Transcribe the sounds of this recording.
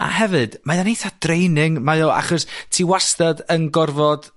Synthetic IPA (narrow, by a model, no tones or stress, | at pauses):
a̰hɛvɨd̥majanejθad̥rejnɪŋmajɔa̰χɔstʰiːwastadənɡɔrvɔd̥